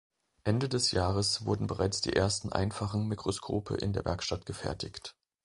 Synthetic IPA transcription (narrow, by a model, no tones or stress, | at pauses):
ʔɛndədɛsjaːʁəsv̥ʊɐdn̩bəʁaɪt͡sd̥ḭːʔeːɐstn̩ʔa̰ɪnfaχn̩mikʁ̥oskʰo̰ːpʰə̰ʔɪ̰ndeːɐvɛɐkʃtatɡ̥əfɛ̰ɐtʰɪçt